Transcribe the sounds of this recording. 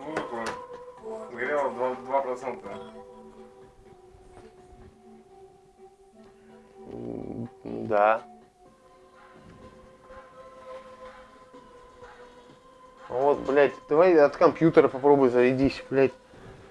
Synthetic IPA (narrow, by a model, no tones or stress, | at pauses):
nut̪ɐkoj | ɡɐɾʲalˠəd̪vad̪vapɾɐt̪sɛnt̪ə | d̪a | vot̪blʲætʲd̪̥ɐvajɐt̪kɐmpjut̪əɾəpɐpɾobʊjzəɾʲɪdʲisʲblʲætʲ